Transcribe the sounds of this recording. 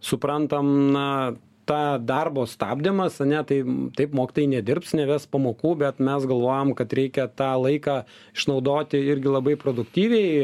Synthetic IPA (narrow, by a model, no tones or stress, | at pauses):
sʊpɾɐnt̪ɐmnɐ | t̪ɑːd̪ɐrboːst̪ɑːbʲd̪ʲɪmɐsɐnʲɛt̪ɐɪt̪ɐɪpmoːkʲɪt̪oːjɪnʲɛd̪ʲɪrpsnʲɛʋʲæspɐmoːkuːbʲɛt̪mʲɛsɡɐlˠʋoːjomkɐt̪ɾʲɛɪkʲɛt̪ɑːlˠɐɪkɑː | ɪʃnɐʊd̪oːt̪ʲɪɪɾʲɡʲɪlˠɐbɐɪpɾoːd̪ʊkt̪ʲiːʋʲɛɪ